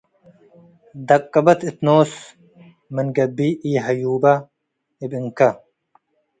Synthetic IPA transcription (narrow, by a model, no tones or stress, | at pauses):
d̪ɐkːɐbɐt̪it̪noːs | mɐnɡɐbiʔiːɦɐjuːbɐ | ibiŋkɐ